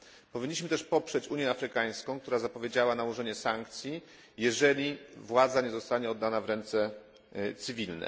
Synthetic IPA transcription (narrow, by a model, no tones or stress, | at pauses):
pɔvʲiɲːiɕmɘ̆t̪ɛʂpɔpʂɛt͡ɕuɲjɛafɾɘkaj̃skɔ̃w̃k̚t̪uɾazapɔvʲjed͡ʑawanawɔʐɛɲɛsaŋkt̪sʲji | jɛʐɛlʲivwad̪zaɲɛzɔst̪aɲɛɔd̪ːanavɾɛnt̪sɛ | t̪sɘvʲilnɛ̰